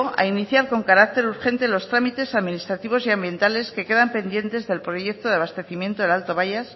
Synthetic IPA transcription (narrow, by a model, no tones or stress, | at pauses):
a̰iniθjaɾko̞ŋkaɾak̚t̪e̞ɾuɾxe̞nt̪e̞lo̞st̪ɾamit̪e̞saðminist̪ɾat̪iβ̞o̞siambje̞nt̪ale̞ske̞ke̞ðampe̞nd̪je̞nt̪e̞zðe̞lpɾo̞ʝe̞k̚t̪oðaβ̞ast̪e̞θimjẽ̞nt̪oelalt̪o̞βajas